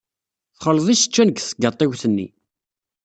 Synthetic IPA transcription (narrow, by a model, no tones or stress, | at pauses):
θχəlðˤiʃə̥t͡ʃːænəɡθəɡət̪ˤːiwθənːḭ